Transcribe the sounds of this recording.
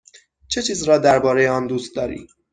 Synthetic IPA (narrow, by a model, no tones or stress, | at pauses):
t͡ʃʰe̞t͡ʃʰiːzɾɒːd̪æɾbɒːɾe̞jeɒːnd̪uːst̪̚d̪ɒːɾḭː